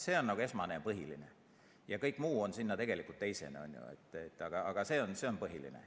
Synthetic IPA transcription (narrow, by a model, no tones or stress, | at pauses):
se̞ːo̞nːɑɡ̥ue̞smɑnejɑpɤɦiline | jɑkɤjkːˑmuːo̞nsinːɑt̪e̞ɡelikːˑult̪ːe̞jse̞̰neo̰nʲjṵḛt̪ːˑet̪ːɑɡ̥ɑɑɡ̥ɑse̞ːo̞nse̞onpɤɦilḭnḛ